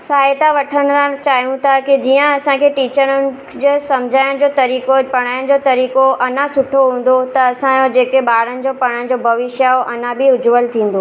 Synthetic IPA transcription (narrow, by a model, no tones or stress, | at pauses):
saːɪt̪aʋɐʈʰəɽ̃ʊ̆sãt͡ɕaːɦjũt̪ʰakid͡ʑiːə̃ɐsãkʰeːʈiːt͡ɕəɾənɪ̆ | d͡ʑesɐ̃md͡ʑʱaːjɪɽ̃d͡ʑoːt̪ɐɾiːkopɐɽ̃aːɪɽ̃̆d͡ʑoːt̪ɐɾiːkoʔɐnãsʊʈʰoɦũːn̆d̪ot̪ɐːsãd͡ʑod͡ʑeːkeɓaːɽənɪ̆d͡ʑoːpɐɽ̃əɽɪ̆d͡ʑoːbʱɐʋɪʃjaoʔɐnãbʱɪʊd͡ʑʋəlt̪ʰĩːn̆d̪oː